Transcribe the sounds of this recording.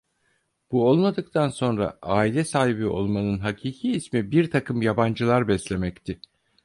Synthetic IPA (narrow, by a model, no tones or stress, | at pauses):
b̥uo̞lˠmad̪ɯk̚t̪ʰanso̞nɾa̰aːilʲɛsaːɦibio̞̰lˠmanɯnɦacʰiːcʰiːsmibiɾt̪ʰakʰɯmjaband͡ʒɯlˠaɾbɛslʲe̞mɛct̪ʰɪ